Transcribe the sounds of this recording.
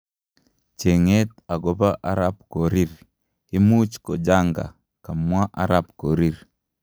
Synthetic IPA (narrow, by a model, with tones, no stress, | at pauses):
t͡ʃe˨ŋe˦ta˨ɡo˦ba˦ʔa˦ɾa˦b̚ko˨ɾi˦ɾ | i˦mu˦t͡ʃko˨d͡ʒa˦ŋɡa̰˨ | ka˨mwa˦ʔa˦ɾa˦pko˨ɾi˦˨ɾ